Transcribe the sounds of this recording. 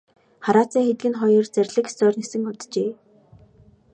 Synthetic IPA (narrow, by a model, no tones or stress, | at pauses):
χaɾaːt͡siːŋxet̪̚ɡɘ̆nχɔjɞ̆rt͡særʲɮɘ̆ksɔːrnesɘ̆ŋʊt̪t͡ɕeː